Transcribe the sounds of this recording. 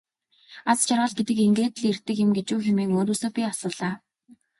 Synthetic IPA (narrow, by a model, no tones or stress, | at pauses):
at͡st͡ɕarʁə̆ɮɡet̪ɘ̆keŋɡeːt̪̆ɮer̥t̪ɘ̆kjɪ̆mɡet͡ɕuːxemeːŋoːɾoːsoːpʲiasə̆ːɮaː